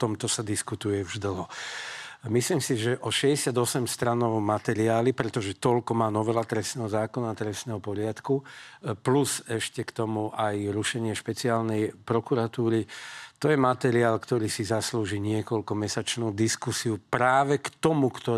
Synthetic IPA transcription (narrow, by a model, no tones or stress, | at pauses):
t̪ɔmt̪ɔsad̪iskut̪ujɛvʒd̪l̩ɦɔ | misliːmsiʒɛʔɔʃɛɟɛsad̪ɔsɛmst̪ɾanɔʊmat̪ɛɾiaːlipɾɛt̪ɔʒɛt̪ɔlkɔmaːnɔʋɛlat̪ɾɛsnɛːɦɔzaːkɔnaːt̪ɾɛsnɛːɦɔpɔɾɪat̪kupluzɛʃcɛkt̪ɔmuʔajɾuʃɛɲɪɛʃpɛt͡siaːlnɛjpɾɔkuɾat̪uːɾit̪ɔjɛmat̪ɛɾiaːlkt̪ɔɾiːsizasluːʒiɲɪɛkɔlkɔmɛsat͡ʃnuːd̪iskusiupɾaːʋɛkt̪ɔmukt̪ɔ